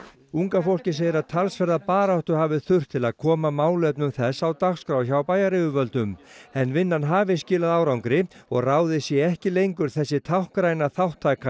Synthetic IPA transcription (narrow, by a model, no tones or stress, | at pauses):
uŋkafowl̥cɪs̬eːjɪɾaðt̪ʰalsfɛɾðapaːɾawht̪ʏhaːvɪθʏr̥t̪ʰːɪlaðkʰɔːmamaːwlœpnʏmθɛsːawt̪axskɾawçawpaːjaɾɪvʏvœlt̪ʏmɛnːvɪnːanɦaːvɪscɪːlaðaːwɾawŋkɾɪɔɣraːwðɪsjɛɛhcɪlejŋkʏɾ̥θɛsːɪt̪ʰawhkɾaːjnaθawht̪ʰːaːjka